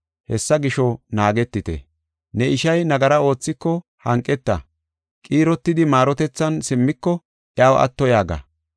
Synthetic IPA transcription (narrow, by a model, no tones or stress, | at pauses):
hɛsːɐɡɪʃɔnaːɡɛt̪ːɪt̪ɛ̰ | nɛɪʃɐjnɐɡɐɾɐo̞ːt͡sːɪkːɔ | hɐŋkʼːɛt̪ːɐ | kʼiːɾɔt̪ːɪd̪ɪmaːɾɔt̪ɛt͡sːɐnsɪmːɪkːɔ | ʔjaːwʔɐ̰t̪ːɔjaːɡɐ̰